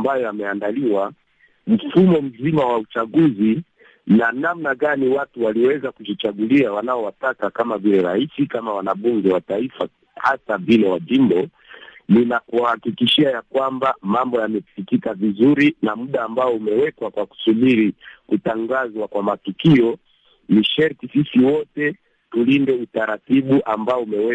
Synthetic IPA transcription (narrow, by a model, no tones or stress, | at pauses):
mbajɔjamɛandaliwa | m̩fumɔm̩zimawaut͡ʃaɠuzi | nanamnaɠaniwatuwaliwɛzakuʄit͡ʃaɡuliawanaɔwatakakamavilɛɾaisikamawanaɓuŋɡɛwataifa | hasavilɛwaʄimbɔ | ninakuahakikiʃiajakwambamambɔjamɛfikikavizuɾinamuɗaːmbaɔumɛwɛkwakwaku̥suɓiɾikutaŋɡazwakwamatukiɔ | niʃɛɾtisisiwɔtɛ | tulindɛutaɾatiɓuʔambaɔumɛwɛ